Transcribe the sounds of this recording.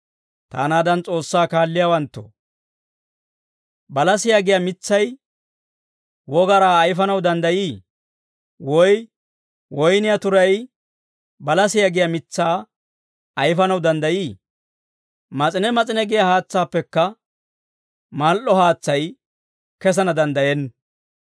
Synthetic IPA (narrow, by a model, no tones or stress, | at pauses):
t̪a̰ːnaːd̪ɐnt͡sʼo̞ːsːaːkaːlːɪjaːwɐnt̪ːɔ̰ | bɐlɐsɪjaɡɪjamɪt͡sːɐj | wɔɡɐɾaːjfɐnɐwd̪ɐnd̪ɐjiː | wɔj | wɔjnɪjat̪ʊɾɐj | bɐlɐsɪjaɡɪjamɪt͡sːaː | ɐjfɐnɐwd̪ɐnd̪ɐjiː | mɐt͡sʼɪnɛmɐt͡sʼɪnɛɡɪjahaːt͡sːaːpːɛkːɐ | malʔɔhaːt͡sːɐj | kɛs̬ɐnɐd̪ɐnd̪ɐjɛnː